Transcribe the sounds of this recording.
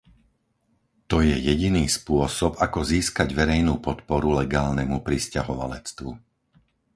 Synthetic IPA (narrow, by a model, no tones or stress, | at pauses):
t̪ɔjɛjɛɟiniːspʊɔsɔbakɔziːskaɟʋɛɾɛjnuːpɔt̪pɔɾulɛɡaːlnɛmupɾiscaɦɔʋa̰lɛt͡st̪ʋu